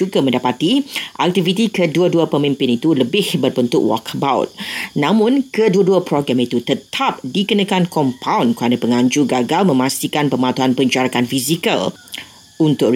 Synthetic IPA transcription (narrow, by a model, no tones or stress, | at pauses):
uɡamə̃ndapat̪iʔak̚t̪ivit̪ikəduaduapəmĩmpɪnit̪uləbɪhbərbənt̪ʊ̰ʔwɔ̰kʰəbaʊ̰t̪̚nãmʊ̃nkəduaduapɾoɡɾamit̪ut̪ət̪ʰap̚dikənakankɔmpʰawnkəɾanapəŋaɲd͡ʒuɡaɡalmə̃mãst̪ikanpəmat̪uɦanpəɲd͡ʒaɾakanfizika̰l | unt̪ʊk